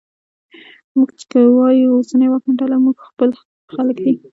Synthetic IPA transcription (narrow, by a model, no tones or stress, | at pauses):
muɡt͡ʃɪ̥kəwɑjuosanəjwɑkməɳʈalamuɡxpəl | xaləkd̪i